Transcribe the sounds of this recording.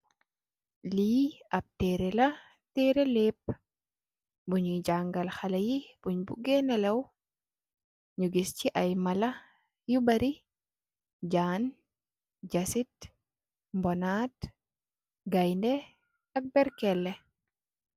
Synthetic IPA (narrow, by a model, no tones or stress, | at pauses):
liːɐp̚tɛɾɛlɐ | tɛːɾɛlɛp̚ː | buɲud͡ʒaŋɡɐlxalɐjib̥uɲbuɡɛnɐlɐw | ɲuɡisciʔɐjmɐlɐ | jubɐɾi | d͡ʒaːn | d͡ʒasit | mbɔnat | ɡajndɛ | ɐk̚bɛɾkɛlːɛ